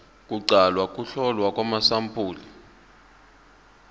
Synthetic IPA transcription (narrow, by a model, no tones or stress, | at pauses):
kʼuǀalwakʼuɬɔlwakʼwamasampʰʼuːli